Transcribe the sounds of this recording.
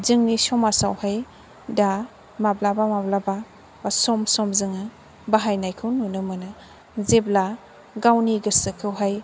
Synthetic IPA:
zɯŋnisɔmasawhaj | da | mablabamablaba | basɔmsɔmzɯŋɯ | baɦajnajkʰɯwnunɯmɯnɯ | zebla | ɡawniɡɯsɯkʰɯwɦaj

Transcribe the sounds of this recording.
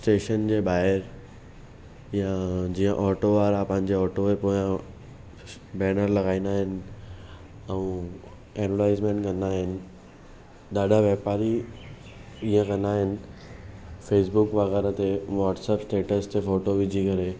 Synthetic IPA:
sʈeːʃənd͡ʑeːɓaːɦɪɾ | jad͡ʑiːə̃ʔɔːʈoʋaːɾapɐ̃ɦɪ̃ɲd͡ʑeɔːʈoepoːã | bɛːnəɾlɐɡaːĩnd̪aːɦɪnɪ̆ | ɛũ | eːɖʋəɾʈaːɪzmẽɳʈkɐ̃nd̪aːɦɪnɪ̆ | ɗ̪aːɖʱaʋeːpaːɾi | iːə̃kɐ̃nd̪aːɦɪnɪ̆ | feːs̬bʊkʋɐɣɛːɾat̪eʋaːʈseːpsʈeːʈəst̪efoːʈoʋɪd͡ʑʱikɐɾe

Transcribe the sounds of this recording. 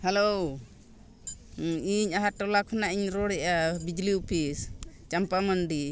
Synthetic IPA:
hɛlo | iɲaɦaʈɔlakʰɔnaʔiɲɾɔɽɛʔabid͡ʒliupʰist͡ʃampamənɖi

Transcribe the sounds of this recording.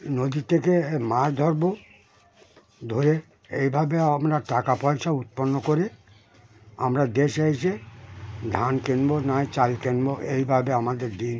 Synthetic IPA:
nod̪it̪ʰːekemaɾd̪ʱɔɾbo | d̪ʱoɾe | ejbʱabeamɾaʈakapɔjʃaut̪̚ponːokoɾe | a̰mɾad̪eʃejʃe | d̪ʱankenbonajt͡ɕalkenboʔejbʱabeamad̪eɾd̪in

